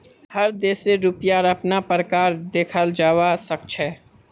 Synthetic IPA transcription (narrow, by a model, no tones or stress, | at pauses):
həɾd̪eːseɾupjaɾəpnapɾəkaːɾd̪eːkʰəld͡ʒaːwasək̚t͡ʃʰɛː